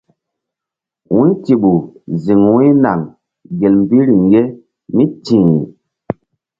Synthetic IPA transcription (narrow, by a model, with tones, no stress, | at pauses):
wu˦nti˨ɓu˨zi˨ŋwu˦i˦na˨ŋ | ɡe˨lm̩˨bi˦ɾi˨ŋɡe˦ | mi˦tĩː˨